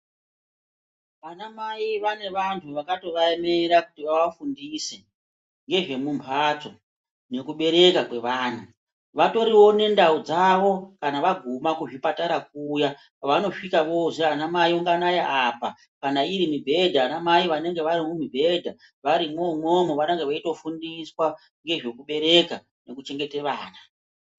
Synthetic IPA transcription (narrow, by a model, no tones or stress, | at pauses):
ʋanamaiʋane̞ʋantʰuʋakato̞ʋaeme̞ɾakutiʋaʋafundise | ŋɡe̞ʐe̞mumpʰat͡so̞ | ne̞kuɓe̞ɾe̞kakwe̞ʋaːn̤ʰu | ʋato̞ɾiwo̞ne̞ndaud͡zaʋo̞kanaʋaɡʱumakuʐipataɾak̚uja | ʋano̞ʂikaʋo̞ʐeanamajuŋɡanajaʔapa | kanaiɾimibʱe̞dʱaːnamaiʋane̞ŋɡe̞ʋaɾimumibʱe̞dʱa | ʋaɾimomomoʋanaŋɡeʋaito̞fundiswa | ŋɡe̞ʐe̞kuɓe̞ɾe̞ka | ne̞kut͡ʃe̞ŋɡe̞teʋaːna